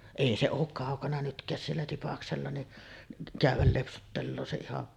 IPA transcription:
eˑi se oːk kɑˑokɑnɑ nytkˑæːs sielːæ tipɑkselːɑ niʔ kæˑyʋˑæl lepsutːelːoː se ihɑn

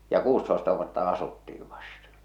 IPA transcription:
jɑ kuːstoestɑ ʋuotːɑ ɑsutːiː ʋɑstɑ

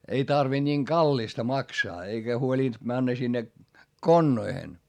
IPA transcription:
ei tɑrʋind̥ nʲiːŋ ɡ̊ɑlːistɑ mɑksɑː eikæ huoliˑnd̥ mænːæ sinːe konːoihen

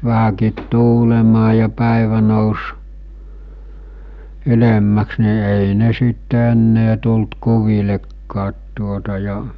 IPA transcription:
ʋæhækiːt tuːlemɑː jɑ pæˑeʋæ noˑus ylemːæks ni eˑi ne sitːe enːeː tult kuʋilekːɑːt tuotɑ jɑ

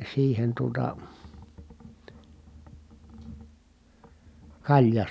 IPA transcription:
siːhen tuotɑ kɑlʲjɑ

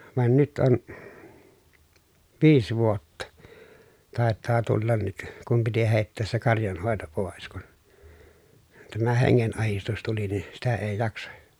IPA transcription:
ʋɑn nyt on ʋiːs ʋuotːɑ tɑˑetˑɑː tulːɑn nyt kum piti heˑi̯tːeːs se kɑrjɑnhoˑeto poˑes kun tæmæ heŋːenɑhistus tuli ni sitæ eː jɑksɑ

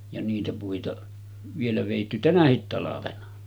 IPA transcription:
jɑ niːtæ puitɑ ʋielæ ʋeˑitːy tænæhit tɑlɑʋenɑ

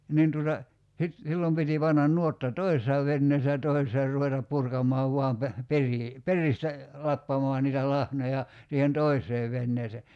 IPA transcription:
nin tutɑ sit silːom piti pɑnːɑn nuotːɑ toisesɑ ʋenːeːsːæ jɑ toisesɑ ruʋetɑp purkɑmˑɑːʋ ʋuɑm pe periː peristæ lɑpːɑmɑː niːtæ lɑhnojɑ siːhen toiseː ʋenːeːse

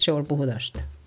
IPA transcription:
se ol puhðɑstɑ̥

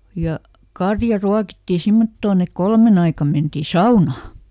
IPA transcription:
jɑ kɑrjɑ ruɑkitːi simːotːoːn ek kolmen ɑikɑm mentiˑ sɑunɑː

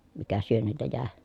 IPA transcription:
mikæ syønːiltæ jæˑe

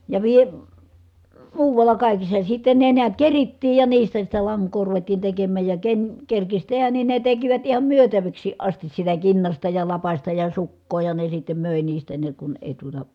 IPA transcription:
jɑ ʋie muːʋɑlːɑ kɑˑikisːɑ sitːe ne niæt keritːiːj jɑ niːstæ sitˑɛ lɑŋkˑoː ruʋetːiːn tekemːæˑj jɑ ken kerkis tehæn nin ne tekiʋæt ihɑm myøtæʋiksˑiːʔ ʔɑstis sitæ kinːɑstɑ jɑ lɑpɑstɑ jɑ sukːoː jɑ ne sitːem møˑe niːstæ ne kun eˑi tuotɑ

